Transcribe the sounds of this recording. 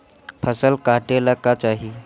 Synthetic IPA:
pʰəsəlkaʈelakat͡ɕaɦi

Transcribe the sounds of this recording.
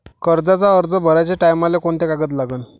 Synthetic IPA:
kəɾd͡z̪at͡saəɾd͡zəbʱəɾat͡ɕaʈajmalekoɳt̪ekaɡət̪laɡən

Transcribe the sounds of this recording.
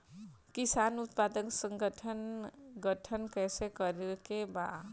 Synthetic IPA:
kisanut̪pad̪əksə̃ŋɡəʈʰənɡəʈʰənkɛːsekəɾelkeba

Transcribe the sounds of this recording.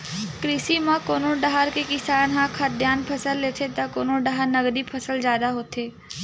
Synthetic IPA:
kɾɪsimãkoːnõɖaɦaɾkekɪsaːnɦãkʰad̪jaːnpʰɐsəlːeːt̪ʰet̪akoːnõɖaɦəɾnɐɡd̪ipʰəsəld͡ʒjaːd̪aɦoːt̪eː

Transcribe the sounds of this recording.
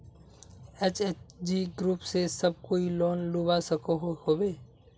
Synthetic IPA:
eːt͡ʃeːt͡ʃd͡ʒiɡɾuːpsesəb̚koːiloːnluːbasəkoɦhoːbeː

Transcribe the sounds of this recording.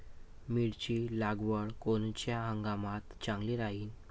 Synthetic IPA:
miɽt͡ɕiːlaɡʋəɭkont͡ɕjaɦəŋɡamat̪t͡ɕãŋɡliɾaɦiːn

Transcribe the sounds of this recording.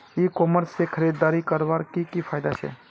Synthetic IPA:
ikoməɾsːekʰəɾed̪ːaɾikəɾbaɾkikipʰajd̪at͡ʃʰḛ

